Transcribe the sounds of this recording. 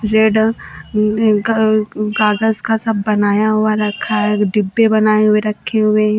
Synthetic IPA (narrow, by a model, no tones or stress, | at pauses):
ɾeːɖ | ɡaːɡəzkasɐbːɐnaːjaɦʊaɾɐkʰːaɦɛɖɪbːebɐnaːeɦʊeɾɐkʰːeɦʊeɦɛ̃